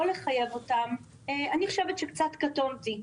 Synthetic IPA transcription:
oleχaje̞vo̞tam | eaniχoʃevetʃekt͡satkatomti

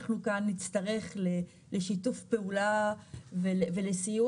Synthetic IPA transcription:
χnukanːit͡st̪ɐʁe̞χle | leʃitufpe̞ulaveleve̞lesiju

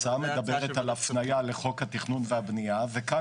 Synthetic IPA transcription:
ame̞d̪abe̞ʁet̪alafnajale̞χo̞khat̪iχnunveabniaveka

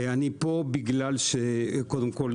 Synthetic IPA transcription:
eanipobiɡlalʃekod̪emkol

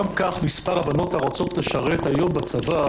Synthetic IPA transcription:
amkaχmispaʁabano̞taʁot͡so̞t̪leʃaʁet̪ajo̞mbat͡sava

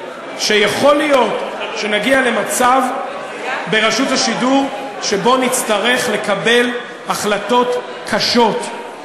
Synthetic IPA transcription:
ʃejaχo̞lijo̞tʃe̞naɡiale̞mat͡sav | be̞ʁaʃuthaʃiduʁ | ʃebo̞nit͡st̪aʁe̞χle̞kabe̞l | aχlato̞t | kʰaʃo̞t

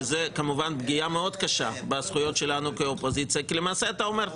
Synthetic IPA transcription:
zekamuvanbɡijameo̞d̪kaʃabasχujo̞t̪ʃelanukeopozit͡sijakilemaːseat̪ao̞me̞ʁ

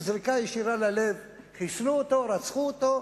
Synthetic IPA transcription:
zʁikajeʃiɾalale̞v | χiʃluot̪o̞ɾat͡sχuot̪o̞

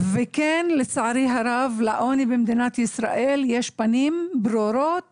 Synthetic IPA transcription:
vekenlet͡saʕaɾiɦaɾavlaʔonibemd̪inat̪jisɾa̰ʔeljeʃpanimbɾoɾot̪̚

